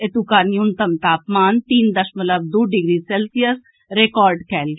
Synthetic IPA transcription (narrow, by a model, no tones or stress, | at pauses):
et̪ukaːnjunt̪əmt̪aːpmaːnt̪iːnd̪əʃmələb̚d̪oːɖɪɡɾiːsɛːlsijəɾs | ɾekɔːɾɖkɛːlɡe